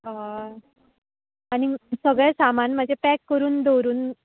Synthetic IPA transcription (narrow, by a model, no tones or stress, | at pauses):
ɦã | aɽ̃isəɡɭasamanm̤əd͡ʑepɛkːəɾuːnd̪owɾuːn